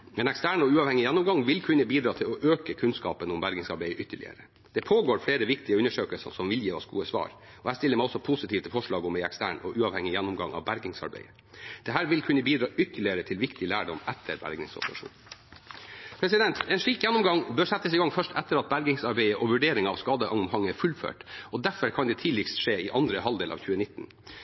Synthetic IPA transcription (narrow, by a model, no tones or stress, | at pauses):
mɛnɛkst̪æːɳɔʉːɑʋhɛŋɪjɛnːʊmɡɑŋʋɪlkʰʉnːəbiːd̪ɾɑːt̪ʰɪlɔʔøːkəkʰʉnskɑ̰ːpənʊmbæɾɡɪŋsɑɾbeɪəʔʏt̪ːəɭɪ̰ə̰ɾə | d̪̥ɛpʰoːɡoːɾfleːɾəʋɪkt̪ɪəʉnːəʂøːkəlsɑ̰sɔmʋɪljiːʋɑ̰sɡṵːəsʋɑ̰ːɾ | ɔhæɪst̪ɪlːəɾmɛɪɔsɔpʰʊsɪt̪ʰiːʋt̪əfɔʂɭɑːɡɔmɛɪɛkst̪æ̰ːɳɔ̰ʔʉːɑʋhɛŋːɪjænːʊmɡɑ̰ŋʔɑ̰ʋbæɾɡɪŋsɑ̰ɾbḛɪə | d̪̥ɛɦæːɾʋɪlkʰʉnəbiːd̪ɾɑːʔʏt̪ːəɭɪəɾət̪ʰɪlʋɪkt̪ɪlæːɖɔmɛt̪ʰəɾbæ̰ɾɡɪ̰ŋsɔ̰pəɾɑʂṵːn | pʰɾɛsɪd̪ɛnt̪ɛːnʂɭiːkjɛnːʊmɡɑŋbøːʂɛt̪ːəsɪɡɑŋfœʂʈɛt̪ːəɾɑt̪̚bæɾɡɪŋsɑɾbɛɪəʔɔʋʉɖeːɾɪŋɑɑʋskɑːd̪əʔɑŋmhɑŋːəæfʉlfø̰ːʈɔd̪æfəɾkʰɑnd̪ɛt̪ʰiːlɪkst̪ʂeːɪʔɑnd̪ɾəhɑld̪eːlʔɑ̰ːʋçʉːənɪt̪ːn̩